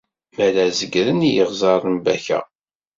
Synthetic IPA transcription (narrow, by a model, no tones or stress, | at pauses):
mælæzəɡɾənijəʁzˤɑɾˤəmbæçæ̰